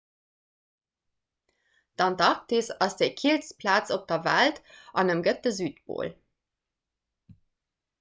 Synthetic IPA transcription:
d̥ɑntɑk̚tisɑsd̥eɪkʰilspʰlaːt͡sop̚d̥ɐvæltɑnəmɡətəzyːt̚b̥o̰ːl

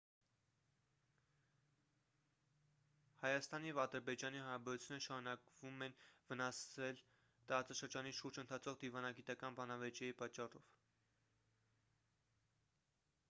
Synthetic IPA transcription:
hɑjɑst̪ɑnijɛvɑd̪əɾbɛd͡ʒɑnihɑɾɑbɛɾut͡sʰjunəəʃɑɾunɑkvumɛnvənɑsɛl | t̪əɾɑt͡sɑʃəɾd͡ʒɑniʃuɾd͡ʒənt̪ʰɑt͡sʰɔʁd̪ivɑnɑɡit̪ɑkɑnbɑnɑvɛt͡ʃɛjipɑt͡ʃːɑrɔv̥

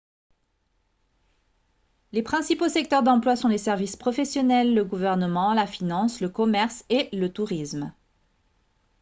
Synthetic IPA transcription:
lepχɛ̃siposɛk̚t̪œʁd̪ɑ̃plwasɔ̃lesɛʁvispχɔfɛsjɔnɛlːəɡuvɛʁnəmɑ̃lafinɑ̃sləkɔmɛʁselət̪uʁism

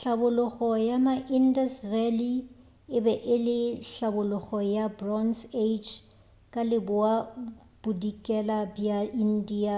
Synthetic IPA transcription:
ɬabʊlʊχɔjamaʔindasrali | ɪbɛʔɪlɪɬabʊlʊχɔjabrɔnsed͡ʒ | kʼalɪbʊwa | b̥udikʼɛlabjain̩dia

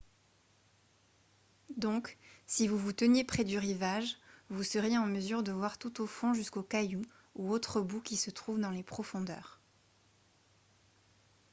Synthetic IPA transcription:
d̪ɔ̃ksivuvut̪ənjepχɛd̪yʁivaʒvusəʁjeɑ̃məzyʁd̪əvwaʁt̪ut̪ofɔ̃ʒyskokaju | uot̪χəbukʲisət̪χuvd̪ɑ̃lepχɔfɔ̃d̪œ̰ːʁ

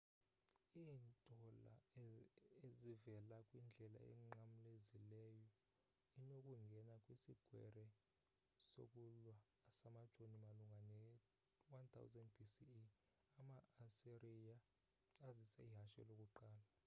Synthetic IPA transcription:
iːntʼɔla̰ | ezivɛlakʼwind͡ɮʱɛla̰ɛ̰ŋ͡ǃamulezilɛjɔ | inokʼuŋɡʱɛnakʼwisiɡ̥ʱwɛ̰rɛ | so̰k̬ʼulwaːsamad̥t͡ʃʼonimaluŋɡʱanɛ | want̪ʰa̰wzɛndbʱisi | amaːsirijaː | zisɛiɦaʃɛ̰lokʼuǃaːla

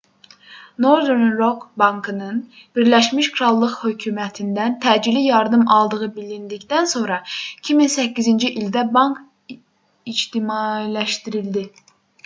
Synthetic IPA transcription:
noɾd̪eɾnɾokbɑŋkʰɨnɨn | b̥iɾlɛʃmiʃkʰɾɑlˠːəqhøkʲʰyːmɛt̪ʰɪnd̪ɛnt̪ʰɛd͡ʒilijɑɾd̪ɯmɑlˠd̪əʁɯbilind̪ɪkʲt̪ɛnsonɾɑi̥kʲʰiminsɛkʲːizint͡ʃʰiʔild̪ɛbɑŋk | id͡ʒt̪ɪmɑlɛʃt̪iɾɪld̪ɪ

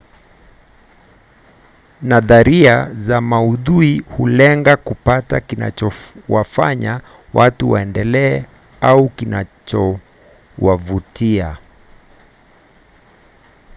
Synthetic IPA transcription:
naðaɾiazamauðuihulɛŋɡakupatakina̰t͡ʃɔwafaɲa | wʔatuwa̰ɛndɛlɛː | aukinat͡ʃɔ | wavutia

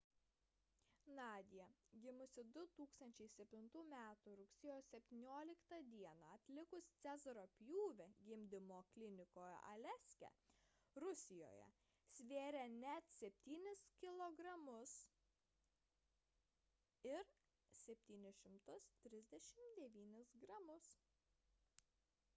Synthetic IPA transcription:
nɑːd̪ʲɪjɛɡʲɪmʊsʲɪd̪ʊt̪uːkst̪ɐnʲt͡ʃʲɛɪsʲɛpʲt̪ʲɪnt̪uːmʲæːt̪uɾʊksʲɪjoːssʲɛpʲt̪ʲiːnʲoːlʲɪkt̪ɐd̪ʲiɛnɑɐt̪ʲlʲɪkʊst̪sʲæzɐɾoːpʲjuːʋʲɛɡʲɪmʲd̪ʲɪmoːklʲɪnʲɪkoːjɛ̰ʔɐlʲɛsʲkʲɛ̰ | ɾʊsʲɪjo̰ːjɛ̰ | sʲʋʲeːɾʲɛnʲɛt̪sʲɛpʲt̪ʲiːnʲɪskʲɪlˠoːɡɾɐmʊs | ɪɾ | sʲɛpʲt̪ʲiːnʲɪʃʲɪmt̪ʊst̪ʲɾʲɪzʲd̪ʲɛʃʲɪmd̪ʲɛʋʲiːnʲɪsɡɾɐmʊs

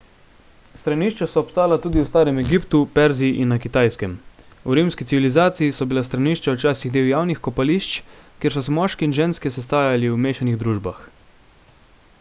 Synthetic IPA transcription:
st̪ɾaniʃt͡ʃasɔːpst̪aːjalat̪uːd̪iwst̪aːɾɛmɛɡipt̪upɛɾziiʔinːakit̪aːjskɛm | uɾimskitsiʋilizaːt̪sijisɔbilast̪ɾaniːʃt͡ʃawt͡ʃaːsiɣd̪eːwjaːwnixkɔpaliʃt͡ʃkjeːɾs̬ɔsɛmɔːʃkɛinʒeːnskɛsɛst̪aːjaliwmeːʃaniɣd̪ɾuːʒbax

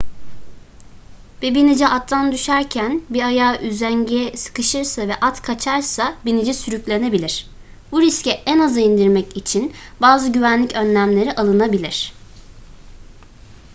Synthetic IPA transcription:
bɛbinid͡ʒɛʔat̪ʰːand̪yʃæɾcʰænbiɾajaːʔyzæɲɟeɛsɯ̥kɯʃɯɾsavɛʔat̪kʰat͡ʃʰaɾsabinid͡ʒɛsyɾyclʲe̞ne̞bilʲiɾ̥ | buɾiscɛʔɛnazaind̪iɾmɛcit͡ʃʰinbaːzɯɟyvænlʲicʰønlʲæmlʲe̞ɾiʔalˠɯnabilʲiɾ̥

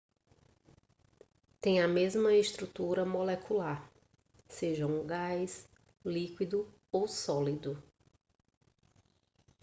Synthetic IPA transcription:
t̪ẽj̃ɐmezmɐest̪ɾut̪uɾɐmolɛkʰulaɾ | seʒɐ̃wũɡajs | likwid̪ʊ | owsɔlid̪ʊ

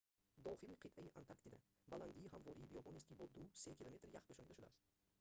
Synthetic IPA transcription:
d̪ɒχɪliqʰɨt̪ʔajiʔant̪ʰaɾkt̪ɪd̪a̰ | baland̪ɪjʲɪɦamvɒɾijibijɒpʰonist̪kʲibɒd̪ʊsekʲʰilˠome̞t̪ɾjaχpeʃɒnid̪aʃud̪a̰s

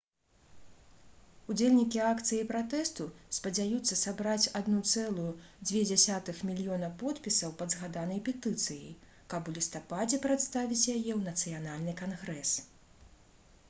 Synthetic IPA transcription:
ud͡zʲelʲnʲikʲiakt̪sɨjijpɾat̪ɛst̪uspɐd͡zʲajut̪sːɐsabɾat͡sʲad̪nut̪sɛlˠujud͡zʲvʲɛd͡zʲasʲat̪ɨxmʲilʲijɔnɐpɔt̪pʲisɐwpɐd̪zɣad̪anɐjpʲɛt̪ɨt̪sɨjḭj | kɐpulʲist̪apad͡zʲɛpɾat̪st̪avʲit͡sʲjajɛwnɐt̪sɨjanalʲnɨkanɣɾɛs

